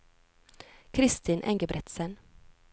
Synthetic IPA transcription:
kʰɾɪst̪ʰiːnʔɛ̰ŋɡəbɾɛt̪sən

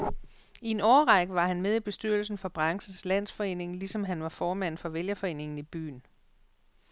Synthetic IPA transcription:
ie̝nɒːʁɑ̈ɡ̥əʋɑ̈hænmeð̞ˠib̥e̝sd̥yɐl̩sn̩fɒ̽b̥ʁɑ̈ŋsəslæn̰sfɒ̽e̝̰ːne̝ŋlisɒ̽mɦænʋɑ̈fɒːmæn̰fɒ̽ʋeljɐfɒ̽e̝̰ːne̝ŋn̩ib̥y̰ːn

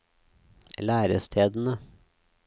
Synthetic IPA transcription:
læːɾəst̪ʰeːd̪n̩ə

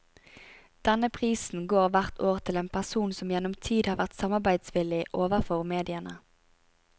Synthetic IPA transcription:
d̪̥ɛnəpʰʁiːsn̩ɡoːʁʋæʁt̪ʰoːʁt̪ʰɪleːnpʰæsuːnsɔmjɛnʊmt̪ʰiːd̪hɑːʁʋæʁt̪sɑmɑʁbæɪd̪sʋɪlɪʔoːʋəʁfɔʁmeːd̪ɪənə

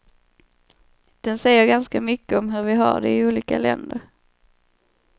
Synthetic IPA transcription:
d̪̥ɛnsɛjːəɾɡanskamʏkːəɔmɦɵɾvɪɦa̰ɖɛ̰ɪuːliːkalɛ̰nd̪əɾ

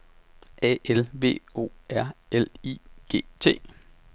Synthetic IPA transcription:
ɛ̰elʋe̝̰ːo̝̰ːæɐ̰elḭɡ̥e̝̰ːt͡sʰe̝̰ː

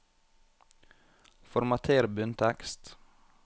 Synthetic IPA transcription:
fɔɾmɑt̪ʰeːɾbʉnt̪ʰɛkst̪

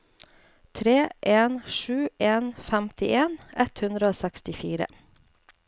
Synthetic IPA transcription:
t̪ʰɾeːʔeːnʂʉːʔeːnfæmt̪ɪʔeːnɛt̪hʉnd̪ɾəoːsɛkst̪ɪfiːɾə̰

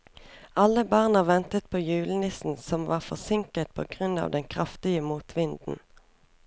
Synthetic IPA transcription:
ɑlːəbɑʁnɑʋɛnt̪ət̪̚pʰoːjʉːlənɪsn̩sɔmʋɑːʁfɔʁsɪŋkət̪̚pʰo̰ːɡʁʉnɑ̰ːʋd̪ɛŋkʰʁɑft̪ɪəmuːt̪ʰʋɪnd̪n̩

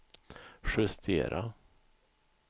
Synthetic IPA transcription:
ɧɵst̪ʰḛːɾʔa̰

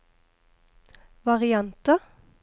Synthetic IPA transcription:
ʋɑʁɪɑnt̪ə

